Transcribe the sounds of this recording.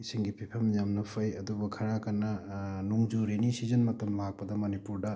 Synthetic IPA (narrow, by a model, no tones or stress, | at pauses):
isiŋɡipʰipʰɐmjamnɐpʰɐjɐdubɐkʰɐɾakɐnːɐnuŋd͡ʒuɾenisizɐnmɐtɐmlak̚pɐdɐmɐnipuɾdɐ